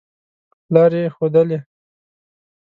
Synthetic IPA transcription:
lɑɾexod̪əle

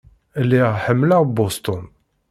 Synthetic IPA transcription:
lːiʁħəmːlaʁbost̪ɔn

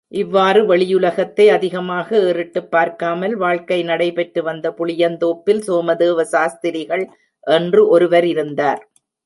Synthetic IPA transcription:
ʔɪʋːaːrɯʋɐɭɪjʊlɐɣɐt̪ːɐɪɐðɪɣɐmaːɣɐeːrɯʈːɯpːaːɾkaːmɐlʋaːɻkɐɪnɐɽɐɪpɛʈrɯʋɐnd̪ɐpʊɭɪjɐnt̪oːpːɪlsoːmɐðɯːʋɐsaːst̪ɪɾɪɣɐɭ | ʔɛndrɯʔɔɾɯʋɐɾɪɾɯnd̪aːɾ

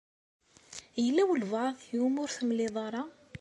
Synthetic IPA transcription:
jəlːæwəlvʕðˤjumʊɾθəmlɪðˤɑɾˤɑ

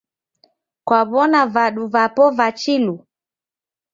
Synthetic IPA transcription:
kwaβɔnavaɗuvapɔvat͡ʃilu

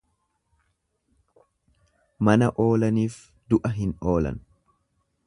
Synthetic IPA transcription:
mɐnɐʔo̞ːlɐniːf | d̪ʊʔɐɦɪno̞ːlɐ̰n

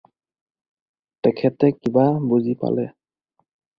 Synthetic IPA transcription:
tɛkʰɛtɛkibabozipa̰lɛ

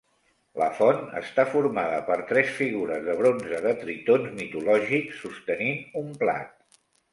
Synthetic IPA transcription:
lə̰fɔnə̰st̪afuɾmaðəpəɾt̪ɾɛsfiɣuɾəzðəβ̞ɾonzəðət̪ɾit̪onzmit̪ulɔʒiksːust̪əniumpla̰t̪̚

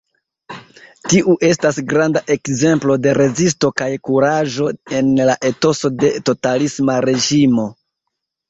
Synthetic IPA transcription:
tiʔuʔe̞stasɡɾandaʔe̞kze̞mplo̞de̞ɾe̞zis̬to̞kajkuɾaʒo̞e̞nlaʔe̞to̞so̞de̞to̞talismaɾe̞ʒimo̞

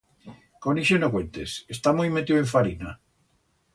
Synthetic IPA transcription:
koniʃenokwent̪esest̪amojmet̪iweɱfaɾina

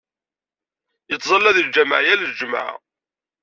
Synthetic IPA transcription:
jət͡sːzˤɑlːæðəld͡ʒæmə̰ʕjælld͡ʒəma̰ʕ̰

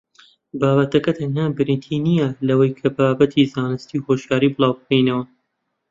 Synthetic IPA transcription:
baːbɐt̪ɐkɐt̪ʰɐnhaːbɨɾint̪ʰiːnijɐlɐwɐjkʰɐbaːbɐt̪ʰizaːnɨst̪iːwhoːʃjaːɾiːbɨlˠaːwbɨkejnɐwɐ

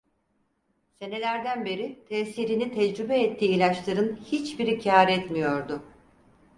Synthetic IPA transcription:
se̞ne̞lʲæɾd̪ænbe̞ɾit̪ʰɛsiːɾinit̪ʰɛd͡ʒɾybɛɛt̪ʰːiːilʲat͡ʃlˠaɾɯnhit͡ʃbiɾicʰaːɾɛt̪mijo̞ɾd̪ʊ

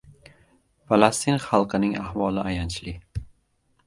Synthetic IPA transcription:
falˠast̪ʰinχɑlˠqʰɨnɪŋahvɒlˠɪajant͡ʃʰlɪ

